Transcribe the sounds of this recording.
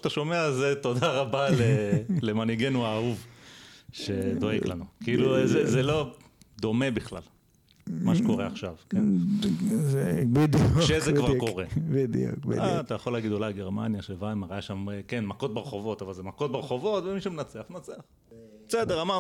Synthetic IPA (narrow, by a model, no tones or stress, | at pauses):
at̪aʃo̞meazet̪o̞d̪aʁabalelemaniɡenuaːuv | ʃed̪o̞eɡlanukiiluzezelo̞ | d̪o̞mebiχla̰l | maʃeko̞ʁeaχʃavkenn | zebid̪juʃezekvaʁko̞ʁebid̪jṵkbḭat̪ajaχo̞laːɡid̪olaɡeʁmanjaʃevaimaʁajaʃamekenmako̞t̪̚beʁeχo̞vo̞t̪avalzemakot̪̚beʁeχo̞vo̞t̪vemiʃemenat͡seaχnat͡seaχ | besed̪eʁama